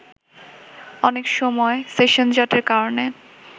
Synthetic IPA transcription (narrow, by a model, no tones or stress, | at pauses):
ɔnekʃɔmɔeseʃond͡ʑɔʈeɾkaɾone